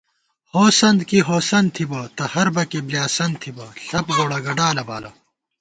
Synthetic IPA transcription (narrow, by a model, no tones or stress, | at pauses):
hoːsɐnd̪kiɦoːsɐnt̪ʰibɐt̪ɐhɐɾbɐkebljaːsɐn̚t̪ʰibɐɬɐpɡoːɽɐɡɐɖaːlɐba̰ːlɐ